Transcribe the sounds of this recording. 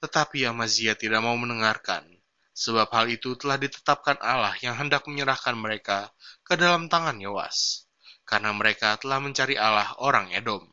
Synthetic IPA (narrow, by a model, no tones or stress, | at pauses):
t̪ət̪apiamaziat̪idaʔ̚maumənəŋarka̰n | səbap̚halit̪ut̪əlahdit̪ə̥t̪ap̚kanʔalahjaŋɦəndak̚məɲəɾahkanməɾekakədalamt̪aŋanjowa̰s | karnaməɾekat̪əlahməɲt͡ʃaɾiʔalahoɾaŋedɔm